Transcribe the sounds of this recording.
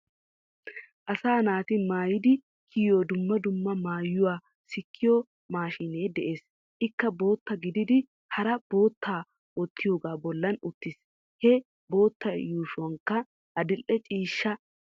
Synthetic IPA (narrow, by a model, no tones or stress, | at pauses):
ʔɐsaːnaːt̪ɪmaːjɪd̪ɪ | kʰijjoːd̪ʊmːɐd̪ʊmːɐmaːjːʊwaː | sɪkʰːɪjo | maːʃɪneːd̪ɛʔeːs | ʔɪkːɐbo̞ːt̪ːɐɡɪd̪ɪd̪ɪ | hɐɾɐb̥o̞ːt̪ːaː | ɔt̪ːɪjo̞ːɡaːbɔlːɐnʊt̪ːɪs | hɛ | bo̞ːt̪ːɐjuːʃʊwɐŋkːɐ | ʔɐd̪ɪlʔʔɛt͡ʃʼiːʃːɐ